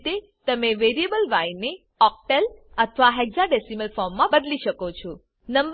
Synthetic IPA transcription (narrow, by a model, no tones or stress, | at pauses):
t̪e | t̪əmeʋeɾiebəlʋainːe | ɔk̚ʈelət̪ʰʋaɦɛɡzaɖesiməlfɔɾmːãbəd̪liʃəkot͡ʃʰɔ | nəmb